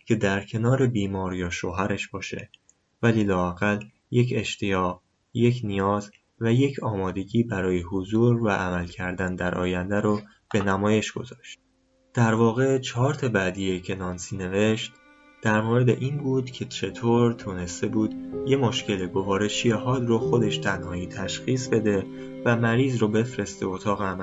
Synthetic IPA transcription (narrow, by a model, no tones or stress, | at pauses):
cʰe̞d̪æɾcʰe̞nɒːɾe̞biːmɒːɾjɒːʃoɦæɾeʃb̥ɒːʃe̞̰ | væliːlɒːæɣæl | je̞cʰe̞ʃt̪ʰejɒːʁɣ | je̞cʰnijɒːz | væje̞cʰɒːmɒːd̪e̞ɟiːbæɾɒːjeɦozuːɾvæʔæmælcʰæɾd̪ænd̪æɾʔɒ̰ːjænd̪æɾo | b̥e̞næmɒːje̞ʃɡ̥o̞̰zɒːʃt̪̚ | d̪̥æɾvɒːɣe̞t͡ʃʰɒːɾt̪ʰebæd̪ijecʰe̞nɒːnsiːne̞ve̞ʃt̪ | d̪̥æɾmoɾe̞d̪ḛʔiːnbuːd̪cʰe̞t͡ʃʰe̞t̪ʰoɾt̪ʰuːne̞st̪e̞buːd̪je̞mo̞ʃce̞leɡo̞vɒːɾe̞ʃijeɦɒːd̪roxo̞d̪e̞ʃt̪ʰænhɒːiːt̪ʰæʃxiːs̬be̞d̪e̞ | væmæɾiːzɾobe̞fɾe̞st̪eot̪ʰɒːɣeæmæ